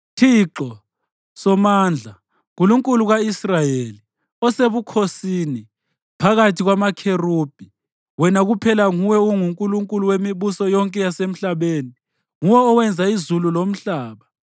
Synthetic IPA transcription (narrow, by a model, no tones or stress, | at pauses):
tʰiǁɔ | sɔmaːnd͡ɮʱa | ɣuluŋkʼuluɣaisrajeli | ɔseβukʰosiːni | pʰaɣatʰiɣwamakʰerub̥ʱi | wɛnaɣupʰɛlaŋuwɛuŋuŋkʼuluŋkʼuluwemiβusɔjɔŋkʼɛjasem̩ɬaβeːni | ŋuwɛɔwɛnd͡zʱaizululom̩ɬaːβa